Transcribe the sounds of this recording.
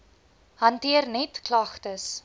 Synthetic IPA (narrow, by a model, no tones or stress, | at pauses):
hɐntiərnɛtklɐχtəs